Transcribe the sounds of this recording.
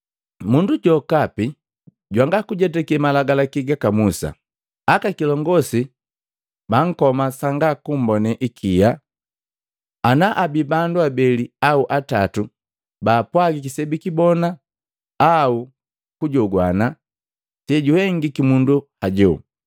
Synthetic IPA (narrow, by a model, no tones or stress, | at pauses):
munduɟɔkapi | ɟwaŋɡakuɟɛtɛkiɛmalaɡalakiɡakamusa̰ | akakilɔŋɡɔsi | baŋ̩kɔmasaŋɡakum̩bɔnɛʔikʰija | anaʔabibanduabɛliauʔatatu | baːpwaɡik̬isɛbikibɔna | au | kuɟɔɡwana | tɛɟuhɛŋɡikimunduhaɟɔ